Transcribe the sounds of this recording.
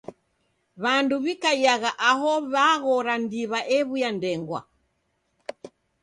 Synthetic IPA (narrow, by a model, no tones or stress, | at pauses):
βanduβikajaɣaʔaɦɔβaɣɔɾandiβaʔɛβujandɛŋɡwa̰